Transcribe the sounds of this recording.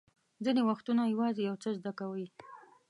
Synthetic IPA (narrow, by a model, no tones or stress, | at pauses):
zinewaxt̪unajawɑzejawt͡səzd̪akawi